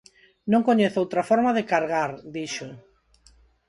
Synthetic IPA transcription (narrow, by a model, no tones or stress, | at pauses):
nõŋkoɲeθowt̪ɾɐfɔɾmaðɪkaɾɣaɾd̪iʃo